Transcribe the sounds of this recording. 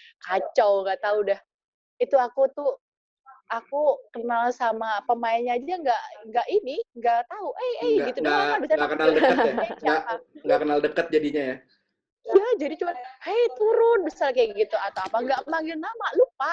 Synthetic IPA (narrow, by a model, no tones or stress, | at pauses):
kat͡ʃawŋɡaʔt̪audɛh | it̪uakut̪u | akukənalsamapəmajaɲaːd͡ʒajaŋɡaʔŋɡaʔiniŋɡaʔt̪auʔejeɡit̪udɛaabisaakənaləətjaaaɡaaŋɡakənaldəkət̪̚d͡ʒadiɲaja | jad͡ʒadit͡ʃumanhajt̪uɾʊnbəsarkaɡit̪uat̪awapaŋɡaʔpəmaŋɡɪlnamalup̚a